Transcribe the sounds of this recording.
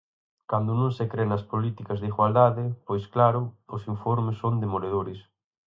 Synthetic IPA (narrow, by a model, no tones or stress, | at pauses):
kand̪ʊnõŋsekɾenɐspolit̪ikɐzðiɣwald̪aðɪpojsklaɾʊʊsiɱfoɾmɪsːond̪emoleðoɾɪs